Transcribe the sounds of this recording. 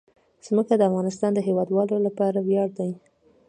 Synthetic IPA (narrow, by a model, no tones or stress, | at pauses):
z̥məkad̪əafɣɑnɪst̪ɑnd̪əɦewɑd̪wɑlolapɑɾawjɑɽd̪aj